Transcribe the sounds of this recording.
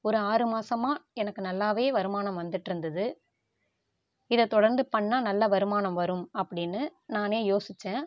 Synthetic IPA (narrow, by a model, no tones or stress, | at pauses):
ɔɾɯaːɾɯmaːsɐmaːɛnɐkːɯnɐlːaːʋeːʋɐɾɯmaːnɐmʋɐnd̪ɯʈːɪɾɯnd̪ɐðɯ | ɪðɛt̪ɔɽɐɾnd̪ɯpɐɳːaːnɐlːɐʋɐɾɯmaːnɐmʋɐɾɯmɐpːɐɽɪnːɯnaːneːjoːsɪt͡ʃːɛ̃ː